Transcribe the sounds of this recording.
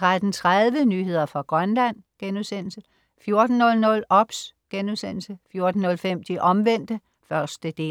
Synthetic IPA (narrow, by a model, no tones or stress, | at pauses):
t͡sʰʁad̥n̩t͡sʰʁaðˠʋənyːɦe̝ð̞̰ˠɐfɑ̈ɡ̥ʁɶnlæn̰ɡ̥enuðˠsen̰l̩sə | fjo̝ɐd̥n̩ːɔ̽lnɔ̽lɒ̽b̥sɡ̥enusen̰l̩səfjo̝ɐd̥n̩ːɔ̽lfem̰d̥iʔɒ̽mʋen̰d̥ə | fɶɐsd̥əd̥e̝̰ː